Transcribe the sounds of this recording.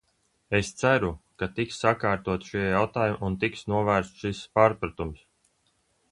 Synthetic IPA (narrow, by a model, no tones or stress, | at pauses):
est̪sæɾukat̪iksːakaːɾt̪uɔt̪ʃijawt̪aːjumʔunt̪iksnuɔvæːɾst̪ʃispaːɾpɾat̪ums